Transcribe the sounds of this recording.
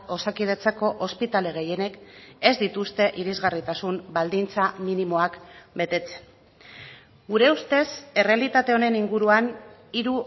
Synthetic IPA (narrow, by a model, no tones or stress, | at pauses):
o̞sakiðet͡sako̞ʔospit̪ale̞ɣ̞e̞je̞ne̞ke̞zd̪it̪ust̪e̞ʔiɾizɣarit̪asumbald̪int͡saminimo̞akbe̞t̪e̞t͡se̞̥n | ɡuɾe̞ust̪e̞se̞realit̪at̪e̞o̞ne̞niŋɡuɾuaniɾu